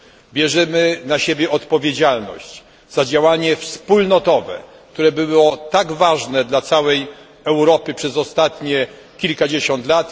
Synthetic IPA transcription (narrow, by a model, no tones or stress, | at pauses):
bʲjɛʐɛmɘnaɕebʲjɛʔɔt̪pɔvʲjed͡ʑalnɔ̰ɕd͡ʑ | z̥ad͡ʑawaɲɛfspulnɔt̪ɔvɛ̰ | kt̪uɾɛbɘwɔt̪aɡvaʐnɛd̪lat̪sawɛj | ɛwɾɔpɘpʂɛzɔst̪at̪ɲɛ | kʲilkad͡ʑeɕɔnt̪lat̪